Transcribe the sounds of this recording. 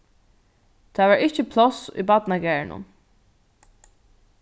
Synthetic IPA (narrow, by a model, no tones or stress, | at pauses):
t̪ʰaːvaɹɪhcɪpʰlɔsṵjbat̪naɡɛːɹnʊ̰n